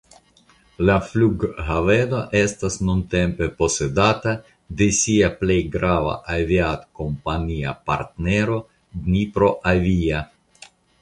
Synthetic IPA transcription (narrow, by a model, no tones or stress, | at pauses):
lafluɡɦave̞noʔe̞stasnunte̞mpe̞po̞se̞data | de̞siaplejɡɾava̰ʔaviat̪ko̞mpania̰pa̰ɾt̪ne̞ɾo̞ | dnipɾo̞ʔavia